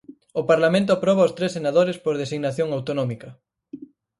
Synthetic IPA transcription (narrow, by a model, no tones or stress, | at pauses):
ʊpaɾlamẽnt̪̬ʊapɾɔβaost̪ɾesenaðoɾespoɾð̞esiɣnaθjoŋawt̪onɔmikɐ